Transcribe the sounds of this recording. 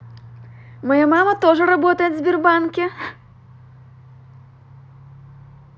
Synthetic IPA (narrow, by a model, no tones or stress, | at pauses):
majamamɐt̪ɔʐɐɾabɔt̪ɐjɛd̪ʲzʲbʲirbankʲi